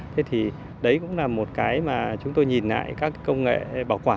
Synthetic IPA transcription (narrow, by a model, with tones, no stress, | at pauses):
t̪ʰe˨˦t̪ʰi˨˩ | ɗə˨˦jkʊ̰˧˥ŋ͡mlaː˨˩mo˨˩t̚kaː˨˦jmaː˨˩t͡ɕʊ˨˦ŋ͡mt̪o˧jɲi˨˩nla̰ː˧˨jkaː˦˥kːə˧wŋ͡mŋḛ˧˨ɓaː˧˩wkwaː˧˩